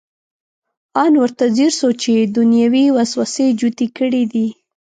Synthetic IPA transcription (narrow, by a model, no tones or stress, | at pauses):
ɑnwəɾt̪aziɾsot͡ʃed̪ʊnjawiwaswased͡ʒut̪ikəɽid̪i